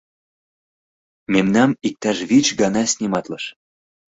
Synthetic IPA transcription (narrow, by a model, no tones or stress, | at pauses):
memnɑmik̚t̪ɑʃβit͡ɕɡɑnɑsʲnʲimɑt̪lɤʃ